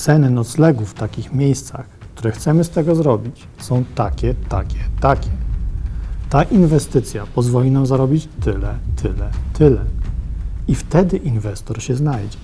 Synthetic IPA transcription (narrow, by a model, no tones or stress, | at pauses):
t̪sɛnɘnɔt̪slɛɡufːt̪akʲixmʲjejst̪sa̰xkt̪uɾɛxt̪sɛmɘst̪ɛɡɔzɾɔbʲit͡ɕ | sɔ̃w̃t̪akʲɛt̪akʲɛt̪akʲɛ | t̪aʔinvɛst̪ɘt̪sʲjapɔzvɔlʲinamzaɾɔbʲit͡ɕt̪ɘlɛt̪ʰɘlɛt̪ʰɘlɛ | ift̪ɛd̪ɘʔinvɛst̪ɔɾɕɛznajd͡ʑɛ